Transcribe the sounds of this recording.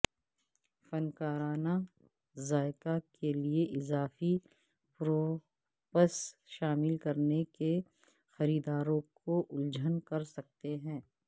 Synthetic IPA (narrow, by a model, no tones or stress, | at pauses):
fɐnkaːɾaːna | zaːɪkakʰelieʔɪzaːfi | pɾoː | pəsʃaːmɪlkɐɾneke | xɐɾiːd̪aːɾõkoʔʊld͡ʒʱənkɐɾsɐk̚t̪eɦɛ̃ː